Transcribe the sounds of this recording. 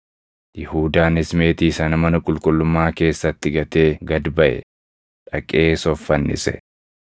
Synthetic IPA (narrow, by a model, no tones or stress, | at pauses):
jɪhuːd̪aːnɪsme̞ːt̪iːsɐnɐmɐnɐkʼʊlkʼʊlːʊmːaːke̞ːsːɐt̪ːɪɡɐt̪e̞ːɡɐd̪bɐʔɛ̰ | ᶑɐkʼe̞ːsɔfːɐnːɪ̰sɛ̰